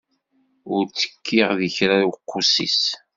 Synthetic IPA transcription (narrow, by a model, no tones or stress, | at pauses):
ʊɾt͡sːə̥kʰːɪʁðəçɾawqːʊsḭs